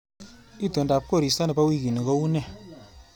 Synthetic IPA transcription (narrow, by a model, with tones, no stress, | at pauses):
i˦˨to˨nda˨p̚ko˦˨ɾi˨sta˦ni˨pa˦wi˦˨ki˨ni˨ko˦u˦ne˦˨